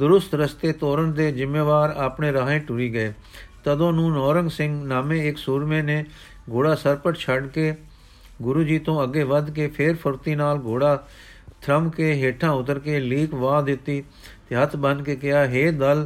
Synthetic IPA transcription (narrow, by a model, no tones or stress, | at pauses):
d̪ʊɾʊst̪ɾəst̪eːt̪oːɾəɳd̪eːzɪmːeːʋaːɾaːpɳeːɾaːɦẽːʈʊɾiːɡəeː | t̪əd̪õːnũːnɔːɾəŋɡsɪ̃ŋɡnaːmẽːɪksuːɾmẽːneː | ɡoːɽaːsəɾpəʈt͡ʃʰəɖkeː | ɡʊɾuːd͡ʒiːt̪õːəɡːeːʋəd̪keːpʰeːɾpʰəɾt̪iːnaːlɡoːɽaː | t̪ʰɾəmkeːɦeːʈʰãːʊt̪əɾkeːliːkʋaːd̪ɪt̪ːiː | t̪eɦət̪ʰbə̃nd̪keːkɪaːɦeːd̪əl